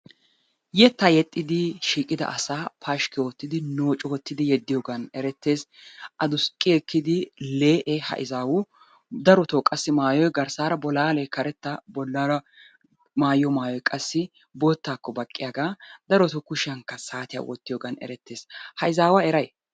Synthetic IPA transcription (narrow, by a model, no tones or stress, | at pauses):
jɛt̪ːajɛt̪ʼːɪd̪ɪʃiːkʼɪd̪ɐ̰ʔɐsaːpʰaːʃkɪoːt̪ːɪd̪ɪno̞ːt͡ʃʼɔwɔt̪ːɪd̪ɪjɛd̪ːɪjɔɡɐnɛɾɛt̪ːe̞ːs | ʔɐd̪ʊskʼːɪɛkːɪd̪ɪleːʔɛhɐ̰ʔɪzaːwʊ | d̪ɐɾɔt̪ɔːkʼɐsːɪmaːjɔjɡɐɾsaːɾɐbɔlaːlɛkɐɾɛt̪ːɐbɔlːɐɾɐ | maːjɔmaːjɔjkʼɐsːɪ | bo̞ːt̪ːaːkːɔbɐkʼːɪjaɡaːd̪ɐɾɔt̪ɔkʊʃɪɐŋkːɐsaːt̪ɪja̰wɔ̰t̪ːɪjɔɡɐnɛ̰ɾɛt̪ːe̞ːshɐʔɪzaːwaɛɾɐj